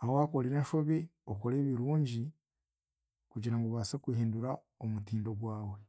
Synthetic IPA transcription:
ahoakoliɾeːnʃoβioko̞ɾe̞ːβiɾuːɲɟi | kuɟiɾaŋɡoβaːsekwihiːnduɾa | omutiːndo̞ɡwaːwe̞

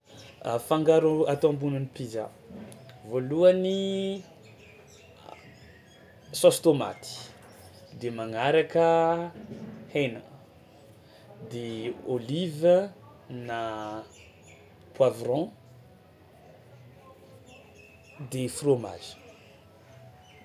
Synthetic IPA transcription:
afãŋɡaɾuat̪ãmbunənipiza̰ | voluani | sost̪oma̰t̪i̥ | d̪emaŋaɾakə | henə | d̪eolivə | na | pwavrɔ̃ | d̪efroma̰z̥i̥

